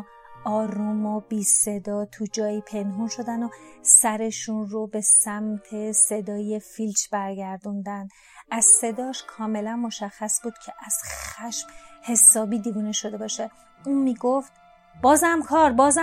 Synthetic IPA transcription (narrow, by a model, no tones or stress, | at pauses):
ɒːɾumobiːse̞d̪ɒːt̪ʰud͡ʒɒːjiːpʰe̞nɦunʃo̞d̪ænosæɾe̞ʃunrobe̞sæmt̪ʰe̞se̞d̪ɒːje̞filt͡ʃʰbæɾɟæɾd̪und̪ænd̪ | ʔæzse̞d̪ɒːʃkʰɒːme̞lænmo̞ʃæxːæsbuːd̪̥cʰe̞ʔæz̥xæʃmhe̞sɒːbiːd̪ivuneʃo̞d̪e̞bɒːʃe | uːnmiːɡoft̪ | b̥ɒːzæmkʰɒːɾbɒːz